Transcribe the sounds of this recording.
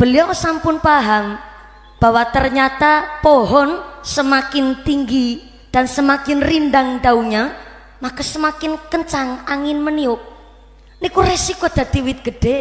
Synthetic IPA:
b̥əliɔsampʊnpaɦam | b̥a̤wat̪ərɲat̪apoɦɔnsəmakɪnt̪iŋɡi | d̥ansəmakɪnrindaŋd̪auɲa | makəsəmakɪnkəɲt͡ʃaŋaŋɪnmənioʔ | nikuresikod̪̥a̤d̪̥i̤wɪt̪̚ɡ̥ə̤ɖ̥e

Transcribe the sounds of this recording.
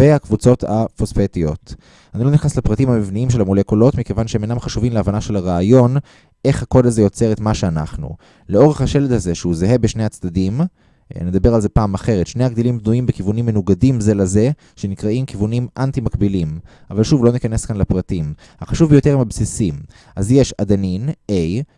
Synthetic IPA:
veakvut͡so̞t̪afospet̪ijo̞̰t̪ | anilo̞niχnaslepʁatimhamivniimʃelamulekolo̞tmike̞vanʃeemenamχaʃuvimleavanaʃe̞laʁeajo̞n | ʔe̞χhako̞daze̞jo̞t͡se̞ʁe̞tmaʃe̞ana̰χnṵ | leoʁeχhaʃe̞led̪haze̞ʃeuzeɦebeʃne̞jat͡sd̪ad̪im̰ | ned̪abe̞ʁalzepaːmaχeʁet̪ʃne̞jhaɡdilimbnujimbekivunimːenuɡadimze̞laze̞ | ʃe̞nikʁaimkivunimʔantimakbilim | avalʃuvlo̞nikaneskanlapʁatim | haχaʃuvbejo̞t̪e̞ʁimabsisim | ʔazjeʃad̪aninej

